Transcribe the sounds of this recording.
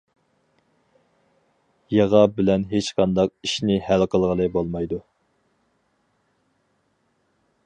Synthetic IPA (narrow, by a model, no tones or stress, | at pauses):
jɑʁɑbɪlɛnɦet͡ʃqʰɑnd̪ɑq̚iʃnɪhælqəlˠʁəlˠɨbolˠmɑjd̪u